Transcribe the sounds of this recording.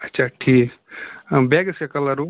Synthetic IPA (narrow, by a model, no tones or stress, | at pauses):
ɐtːʃʰaʈʰik | beɡsekɐlɐɾu